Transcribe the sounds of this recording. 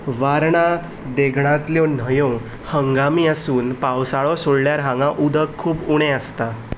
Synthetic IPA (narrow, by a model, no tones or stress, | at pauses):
ʋaɾɳa | d̪eɡɳ̃ãt̪ljɔn̤əjõ | həŋɡamiːəsuːnpawsaɭɔsoɽljaɾɦãŋɡãʔud̪ʱəkʰːuːbuɽ̃eəst̪a